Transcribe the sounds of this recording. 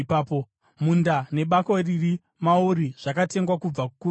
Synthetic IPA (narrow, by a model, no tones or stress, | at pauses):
paːpo | mundane̞ɓakoriri | mauɾiʐ̥akate̞ŋɡwakub͡vakuku